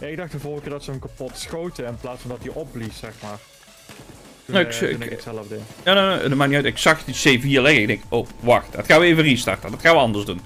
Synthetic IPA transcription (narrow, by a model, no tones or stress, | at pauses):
jaɪɡ̚dɑxtəvoːɣkɪːɹdɑtsəəmkapɔtsχowtəɪnplaːtsfɑndɑtdiʔɔplisɛxmaːr | noɪkɪ̰nkəsɛləvdɛjanono̰dəmaːniœtɪksɑxdiseviːlɛɣəɪɡdɛŋkʔowʋɑxtdɑ̰txaːnʋəejvəristɑ̰rtədɑtxaːnʋəɑndəɹzdun